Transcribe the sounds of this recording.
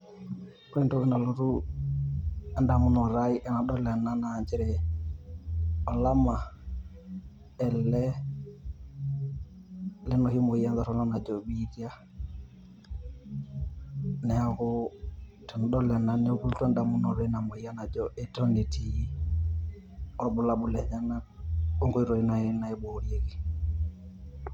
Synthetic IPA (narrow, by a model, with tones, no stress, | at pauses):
pɾe˦nto˦ki˦na˨lo˨ɾu˦ | a˨nda˨mu˦nɔ˨ɾaiʔɛ˨na˨ɗɔ˦lɛ˨nːa˦na˨d͡ʒi˦ɾɛ˨ | ɔ˨la˦ma˨ | ɛ˨lːɛ˦ | lɛ˦nɔ˨hi˦mo˨ja˦nza˨ɾɔ˨nɔ˦na˨d͡ʒɔ˨ɓidja˦ | nɛ˨a˨hʊ˦tɛ˨nɗɔ˦lɛ˨na˨nɛ˦u˦ku˦ltɔ˦nda˨mu˦nɔ˨ɾɔ˦i˦na˨mo˨i˦ja˦na˨d͡ʒɔʔɛ˦tɔ˦ni˨tʰi˨˦ | ɔbu˦la˨ɓu˦lɛ˨ɲa˦na˦o˦ŋɡo˦i˦ɾo˨i˦na˨ɛ˦na˨ɛ˦bo˨ɾje˦ki˨